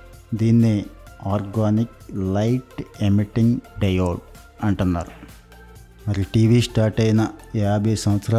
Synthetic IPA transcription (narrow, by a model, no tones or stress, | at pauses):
d̪inːeoːrɡaːniklɐjʈːemiʈːinɖɐjoːɖ | ɐɳʈonːa̰ːɾ | mɐɾiʈiʋisʈaːʈːɐjinːɐjaːbesɐ̃mt̪sɾa